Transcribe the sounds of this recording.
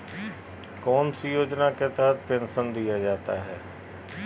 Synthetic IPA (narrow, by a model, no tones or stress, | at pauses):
kɔːnsijoːd͡ʒnaket̪ɛːət̪̚pʰɪnsə̃nd̪ijad͡ʒaːt̪a̰ɦɛː